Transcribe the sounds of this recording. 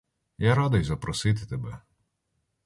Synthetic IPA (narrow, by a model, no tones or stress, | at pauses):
jaɾad̪ʊjzɐpɾɔsɪt̪ɪt̪ɛbɛ